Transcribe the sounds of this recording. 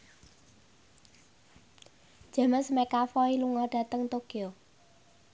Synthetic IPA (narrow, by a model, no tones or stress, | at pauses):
d̥ʒ̥a̤məsmekafɔiluŋɔɖ̥ä̤t̪əŋt̪okio